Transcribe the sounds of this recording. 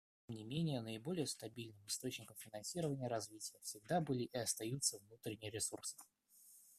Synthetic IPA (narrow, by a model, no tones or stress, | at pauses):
tʲemnʲɪmʲenʲɪjənəɪbo̞lʲɪjəst̪ɐbʲilʲnɨmɨst̪o̞t͡ɕnʲɪkəmfʲɪnɐnsʲiɾəvənʲɪjəɾɐzvʲitʲɪjəfsʲɪɡ̚d̪abɨlʲɪʔiɐst̪ɐjut̪səvnut̪ɾʲɪnʲɪjɾʲɪsursɨ̥